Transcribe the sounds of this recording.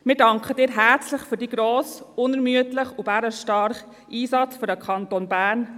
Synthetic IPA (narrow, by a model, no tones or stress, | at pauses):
mɪːɾdɑŋkχəd̥ɪːɾɦæɾt͡slɪχfyɾdiːɡɾoːsʊnɛɾmyətlɪχʊbæɾəʃtɑɾχ | ʔiːsɑt͡sfyɾdəkʰɑntonbæːɾn